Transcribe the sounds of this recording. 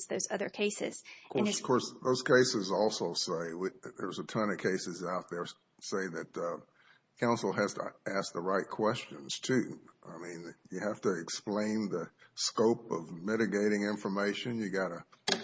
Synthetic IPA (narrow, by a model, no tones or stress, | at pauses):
zðoʊzʌðə̰˞kʰeɪsɪ̰z̥kʰɔɹn̥kʰɔɹsðoʊz̥kʰeɪsɨzɔlˠsoʊseɪwiðə̰˞zətʰʌ̃nɨkʰeɪsɨzaʊt̪̚ðə˞ | seɪðɨt̚ʌ | kʰãʊ̃nsl̩ˠɦæz̥tʰə̰æsk̚ðəɹaɪt̚kʰw̥ɛst͡ʃɨ̃nz̥tʰʉʔa̰ɪmĩnjɨhæftɨːksplẽɪ̃nðɨskoʊpʌvmɪɾɨɡeɪɾɪ̃ŋɪ̃ɱfə˞meɪʃɨ̃njɨɡɑɾɨ